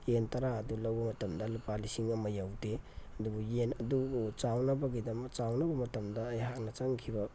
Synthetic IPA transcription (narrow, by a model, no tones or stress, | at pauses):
jentɐɾaɐdulɐwbɐmɐtɐmdɐlupalisiŋɐmɐjawdeɐdubujenɐduut͡ʃawnɐbɐɡidɐmɐt͡ʃawnɐbɐmɐtɐmdɐːjhak̚nɐt͡ʃaŋkʰibɐ